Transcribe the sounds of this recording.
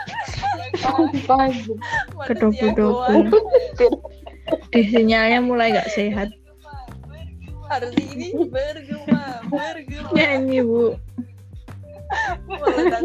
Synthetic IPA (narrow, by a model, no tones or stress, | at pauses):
paɡkəɖɔbuɖopu | d̪̥i̤s̬iɲalɲamulajŋɡaʔseɦat̪̚ | ɲaɲiwu